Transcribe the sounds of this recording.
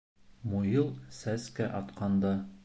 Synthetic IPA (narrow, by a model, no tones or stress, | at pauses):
mujɤlˠsæskæʔɒt̪qɑnd̪ɑ